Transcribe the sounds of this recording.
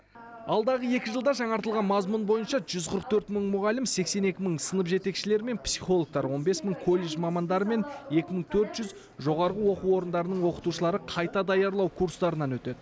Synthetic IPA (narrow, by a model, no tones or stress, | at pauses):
ɑlˠd̪ɑʁəe̞kʲɪʒəlˠd̪ɑʒɑɴɑɾt̪əlˠʁɑnmɑzmunbo̞jənʃɑʒʏzqʰəɾəq̚t̪ʰɵɾt̪məɴmʊʁɑlɪmse̞kse̞ne̞kʲɪməɴsənəpʒe̞t̪e̞kʃɪle̞ɾme̞npsiχo̞lˠo̞k̚t̪ɑɾwo̞nbe̞sməɴkʰo̞lʲːe̞ʒmɑmɑnd̪ɑɾəme̞ne̞kʲɪməɴt̪ʰɵɾt̪ʒ̥ʏz | ʒo̞ʁɑɾʁəwo̞quwo̞ɾənd̪ɑɾənəɴwo̞qə̥t̪uʃəlˠɑɾəqʰɑjt̪ɑd̪ɑjɑɾlˠɑwkʰuɾst̪ɑɾənɑnwɵt̪e̞d̪ɪ